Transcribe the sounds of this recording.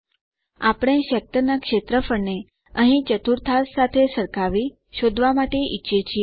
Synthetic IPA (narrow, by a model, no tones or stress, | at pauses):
apɽ̃ẽʃək̚t̪ənakʃet̪ɾəfəɳne | əɦĩt͡ʃət̪uɾt̪ʰassat̪ʰesəɾkaʋi | ʃod̪ʱʋamaʈeʔitːʃet͡ʃʰie